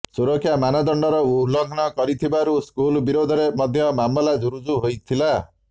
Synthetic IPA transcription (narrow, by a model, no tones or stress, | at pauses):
suɾɔkʰːjamanɔd̪ɔɳɖɔɾɔulɔkʰnɔkɔɾit̪ʰibaɾuskulbiɾod̪ʱɔɾemʌd̪ʱjʌmamɔlad͡zuɾud͡zuɦojt̪ʰila